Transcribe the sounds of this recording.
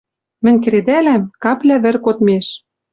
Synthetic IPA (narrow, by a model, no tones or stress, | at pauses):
mɘ̆nʲk̬ɘ̆ɾed̪ælæmkɑplʲæβɘ̆rkot̪meʃ